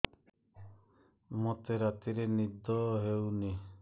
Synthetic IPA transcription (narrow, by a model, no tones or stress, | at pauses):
mɔt̪eɾat̪iɾenid̪ɔɦewni